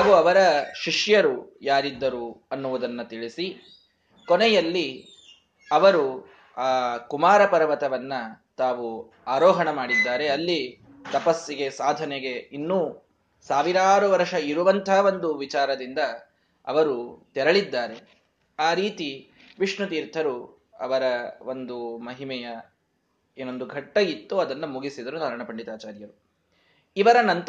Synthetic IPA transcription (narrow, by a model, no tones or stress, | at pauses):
aːʋuɐʋɐɾɐʃiʂjɐɾujaːɾid̪ːɐɾuɐnːuʋud̪ɐnːɐt̪iɭisi | konɛjɐlːi | ɐʋɐɾu | aːkumaːɾɐpɐɾɐʋɐt̪ɐʋɐnːɐ | t̪aːʋu | aːɾɔːɦɐɳɐmaːɽid̪ːaːɾe̞ɐlːi | t̪ɐpɐsːiɡe̞saːd̪ʱɐneɡe̞inːuː | saːʋiɾaːɾuʋɐɾʂɐiɾuʋɐnt̪ʰaːʋo̞nd̪uʋit͡ʃaːɾɐd̪ind̪ɐ | ɐ̰ʋɐɾut̪ɛɾɐɭid̪ːaːɾe̞ | aːɾiːt̪i | ʋiʂɳut̪iːɾt̪ʰɐɾu | ɐ̰ʋɐɾɐond̪umɐɦimɛjɐ | enːond̪uɡʱɐʈːɐjit̪ːuɐd̪ɐnːɐmuɡisid̪ɐɾud̪ɐːɾɐɳɐpɐɳɖit̪aːt͡ʃaːɾjɐɾu | iʋɐɾɐnɐnt̪